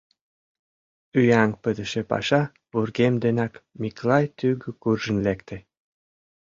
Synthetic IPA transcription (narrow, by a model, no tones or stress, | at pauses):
yjæŋpə̆d̪ə̆ʃĕpɑ̰ʃɑ | purɣemd̪enɑkmiklɑjt̪yɡə̆kurʒə̆nlekt̪ĕ